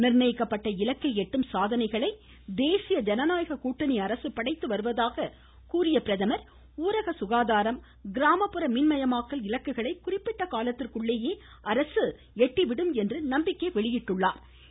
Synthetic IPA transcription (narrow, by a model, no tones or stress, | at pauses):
nɪrnɐjɪkːɐpːɐʈːɐɪlɐkːɐɪɛʈːɯmsaːðɐnɐɪɣɐɭɐɪ | d̪eːsɪjɐd͡ʒɐnɐnaːjɐɣɐkuːʈːɐniɐɾɐsɯpɐɽɐɪt̪ːɯʋɐɾɯʋɐðaːɣɐ | kuːɾɪjɐpɪɾɐðɐmɐɾ | uːɾɐɣɐsʊɣaːðaːɾɐm | ɡɪɾaːmɐpːɯɾɐmɪnmɐjɐmaːkːɐlɪlɐkːɯɣɐɭɐɪkʊrɪpːɪʈːɐkaːlɐt̪ːɪrkɯɭːeːjeː | ʔɐɾɐsɯ | ɛʈːiʋɪɽɯmɛndrɯnɐmbɪkːɐɪʋɛɭɪjɪʈːɯɭːaːɾ